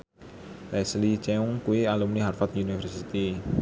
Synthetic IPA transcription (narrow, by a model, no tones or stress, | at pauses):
lɛslit͡ʃɛuŋkuialumniɦarfat̪unifərsit̪i